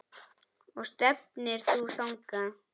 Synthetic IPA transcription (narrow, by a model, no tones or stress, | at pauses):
ɔɣst̪ɛp̚nɪɾ̥θuθawŋka